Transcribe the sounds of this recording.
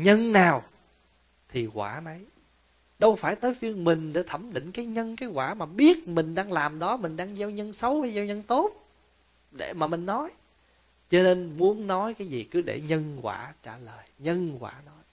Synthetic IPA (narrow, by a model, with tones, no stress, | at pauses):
ɲə˧nnaː˨˩w | t̪ʰi˨˩ɣwaː˧˩nə˨˦j | ɗə˧wfaː˧˩jt̪əː˨˦jfi˧ənmï˨˩ŋ̟ɗa̰˧˩˦t̪ʰə˧˩mɗḭ̈˧˨ŋ̟kaː˨˦jɲə˧nkaː˨˦jɣwaː˧˩maː˨˩ɓi˦˥ət̚mï˨˩ŋ̟ɗaː˧ŋlaː˨˩mɗɔ˨˦mï˨˩ŋ̟ɗaː˧ŋza˧wɲə˧nsə˨˦wkaː˨˦jzaː˧wɲə˧nt̪o˦˥t̚ | ɗḛ˧˩maː˨˩mï˨˩ŋ̟nɔ˨˦j | t͡ɕɔ˧ne˧nmu˨˦ənːɔ˨˦jkaː˨˦jzi˨˩kɨ˨˦ɗḛ˧˩ɲə˧nkwa̰ː˧˩t͡ɕaː˧˩ləː˨˩jɲə˧nkwa̰ː˧˩nɔ˨˦j